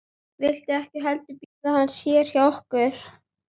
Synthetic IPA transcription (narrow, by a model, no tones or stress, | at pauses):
vɪjl̥t̪ɪɛhcɪɦɛlt̪ʏpiːðaðhanːsjɛɾ̥jaɔhkʏɾ̥